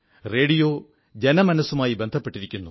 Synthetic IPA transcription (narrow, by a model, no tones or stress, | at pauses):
re̞ːɽijo̞ː | d͡ʑe̞nɐmɐnɐsumaːjibend̪ʱɐpːe̞ʈːiɾikʲːunːu